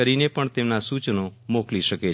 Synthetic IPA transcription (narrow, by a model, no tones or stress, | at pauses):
əɾinepəɳt̪emnasut͡ʃnomokliʃəke